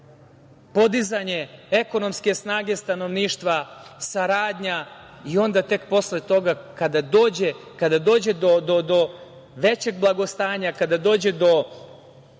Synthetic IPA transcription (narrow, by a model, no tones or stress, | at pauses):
po̞d̪izaɲe̞eko̞no̞mske̞snaːɡe̞st̪ano̞ʋniːʃt̪ʋasaɾaːd̪ɲa | io̞nd̪at̪e̞kpo̞sle̞t̪o̞ɡakad̪ad̪oːd͡ʑekad̪ad̪o̞ːd͡ʑe̞d̪od̪od̪o | ʋe̞t͡ɕe̞ɡ̚blˠaɡo̞st̪aːɲakad̪ad̪o̞ːd͡ʑe̞d̪o̞